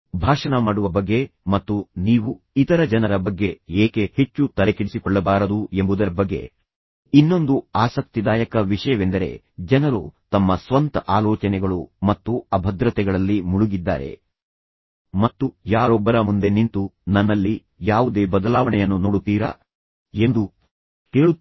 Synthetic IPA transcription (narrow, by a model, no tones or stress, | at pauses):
bʱaːʂɐnɐmaːɽuʋɐbɐɡːe̞mɐt̪ːuniːʋu | it̪ɐɾɐd͡ʒɐnɐɾɐbɐɡːe̞eːkehe̞t͡ʃːut̪ɐlekiɭisikɔɭːɐbaːɾɐd̪ue̞mbud̪ɐɾɐbɐɡːe̞̰ | inːo̞nd̪uaːsɐk̚t̪id̪aːjɐkɐʋiʂɐjɐʋend̪ɐɾe̞̰ | d͡ʒɐnɐɾṵt̪ɐmːɐsʋɐnt̪ɐʔaːlɔːt͡ʃɐnɛɡɐɭumɐt̪ːuɐbʱɐd̪ɾɐt̪ɛɡɐɭɐlːimuɭuɡid̪ːa̰ːɾe̞̰ | mɐt̪ːujaːɾɔbːɐɾɐmund̪e̞nint̪unɐnːɐlːi | jaːʋud̪e̞ːbɐd̪ɐlaːʋɐɳɛjɐnːunoːɽut̪ːiːɾɐ̰ | e̞nd̪u | t̪eːɭu